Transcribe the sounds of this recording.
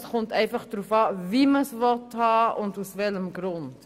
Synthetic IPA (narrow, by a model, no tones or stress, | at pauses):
sχʊntɛɪfɐχd̥ɾufɑːviməsvɔthɑːʔʊndusvɛləmɡɾʊnt